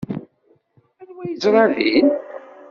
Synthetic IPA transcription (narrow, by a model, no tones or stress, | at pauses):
ælwæjəzɾˤɑðin